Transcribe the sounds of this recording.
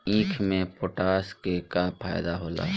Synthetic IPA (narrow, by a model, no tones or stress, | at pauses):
ĩːkʰmẽpoːʈaːskekapʰa̰ːjd̪aɦoːla̰ː